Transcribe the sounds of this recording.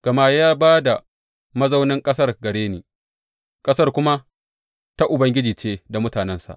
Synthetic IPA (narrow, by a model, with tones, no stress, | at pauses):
ɡ̥ɐ˨ma˦jaː˦baː˦da˨ | mɐ˦za˦wnɪ˦ŋkʼɐ˦sɐ˦rɡɐ˨ɽeː˦niː˨ | kʼɐ˦sɐ˦rkʷʊ˦ma˦ | ta˦ʔʊ˨bɐ˦ŋɡʲɪ˦d͡ʒiː˨t͡ʃeː˦da˨mʊ˦taː˨nɛ˦nsa̰˨ʔ